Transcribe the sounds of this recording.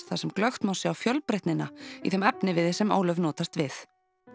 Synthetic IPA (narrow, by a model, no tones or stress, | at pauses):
t̪θasɛmklœxt̪mawsɪawfjœlpɾejht̪nɪnaḭθɛmɛpnɪvɪðɪsɛmo̰ːwlœɥvnɔːt̪ast̪vɪθ